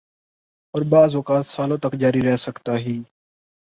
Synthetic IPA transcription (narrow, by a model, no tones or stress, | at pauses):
ɔːɾbaːzoːkaːt̪saːlõːt̪əkd͡ʒaːɾiːɾɛɦsəkt̪aːɦiː